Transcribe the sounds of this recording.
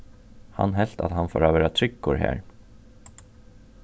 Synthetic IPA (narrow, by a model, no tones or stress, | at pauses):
ha̰nɦɛl̥t̪at̪hanfo̰ːɾavæːɾat̪ʰɾʏkːʊɾhæ̰ːɹ